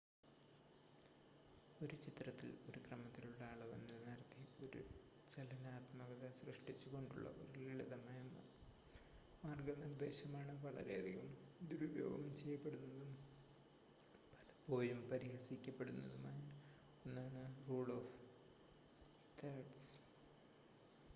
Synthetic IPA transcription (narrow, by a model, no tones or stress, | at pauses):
o̞ɾut͡ɕit̪rɐt̪ːḭlo̞̰ɾukrɐmɐt̪ːiluɭːɐaːɭɐʋḛnːilnirt̪io̞ɾṵ | t͡ɕelɐnaːt̪mɐɣɐðɐsrɨʂʈit͡ɕːuko̞ɳɖṵɭːɐ̰ʋɐ̰ɾiliɭɐðɐmaːjɐ | maːrɡɐnird̪e̞ːɕɐmaːɳɨʋɐɭɐ̰ɾe̞̰ɐðiɣɐmd̪uɾubjo̰ːɡɐ̰mt͡ɕe̞jːɐpːe̞ɽunːɐðum | pɐ̥lɐpo̞ːjumpɐɾiɦɐsikʲːɐpːe̞ɽunːɐ̰ðumaːjɐ | enːaːɳɨruːɭof | t̪ʰeɖs